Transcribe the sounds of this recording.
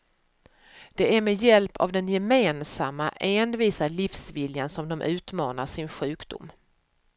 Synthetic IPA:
d̪̥ɛæɾmɛjɛlpʰa̰vd̪ɛnjɛmeːnsamːaʔeːnviːsalifsvɪljansɔmd̪ɔmʔʉ̟ːt̪mɑːnaʂɪnɧʉ̟ːkd̪ʊ̰mː

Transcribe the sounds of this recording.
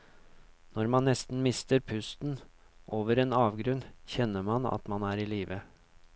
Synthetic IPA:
nɔɾmɑnːɛst̪n̩mɪst̪əɾpʰʉst̪n̩ | ʔoːʋəɾeːnɑːʋɡɾʉnçɛnːəɾmɑnɑ̰t̪mɑnæːɾiːliːʋə

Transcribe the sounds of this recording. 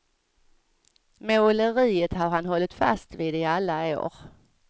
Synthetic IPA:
mɛʊləɾiːət̪haɾhanhɔlːɪt̪fa̰st̪viːd̪ɪalːao̰ːɾ

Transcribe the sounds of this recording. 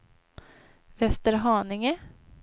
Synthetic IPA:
vɛst̪əɾɦɑːnɪŋə

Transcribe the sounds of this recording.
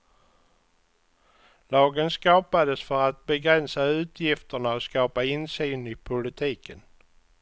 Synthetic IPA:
lɑːɡənskɑːpad̪əsfœɾat̪̚bɛɡɾɛnsaʉ̟ːt̪ʰjɪft̪əɳaɔskɑːpaɪnsyːnɪpʰʊlɪt̪ʰiːkən

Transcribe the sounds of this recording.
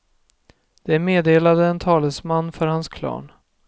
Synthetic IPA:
d̪̥ɛæɾmeːd̪eːlad̪əɛnt̪ʰɑːləsmanːfœɾhanskʰlɑ̰ːɳ

